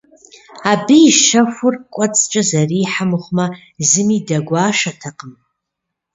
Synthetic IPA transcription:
abiːʃafʷʊrkʷʼat͡sʼt͡ʃʼazariːħamχʷma | zɨmidaɡʷaːʃatʰaqʼəm

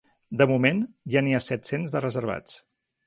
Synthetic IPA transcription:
d̪əmumenʒaniasɛt̪senzðərəzəɾβ̞a̰t͡s

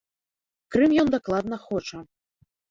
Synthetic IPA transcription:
kɾɨmjɔnd̪aklˠad̪nɐxɔt͡ʂɐ

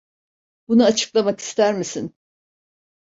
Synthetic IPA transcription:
bunuat͡ʃʰɯ̥klˠamaki̥st̪ʰæɾmisin

